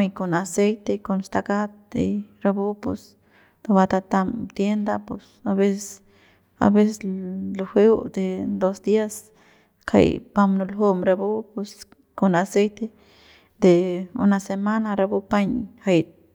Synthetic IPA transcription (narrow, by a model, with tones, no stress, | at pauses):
jko˧na˧se˦jt̪e˧ko˧nst̪a˧ɡa˦t̪̚ḛ˧jɾa˧bu˦pṵ˧s | t̪o˧ba˧t̪a˧t̪a˧mt̪je˦nd̪a˧po˧sa˧be˦ss | a̰˧be˦se˧slo˧xʷe˦wd̪e˨˧d̪o˧sd̪i˦a˧s | kʰa̰˧jpa˧mnu˧lɦo˧mɾa˧bu˦pe˧s | ko˧na˧se˦jt̪e˧ | d̪e˨ṵ˧na˧se˧ma˦na˧ɾa˧bu˦pa˦ɲha˧jt̪̚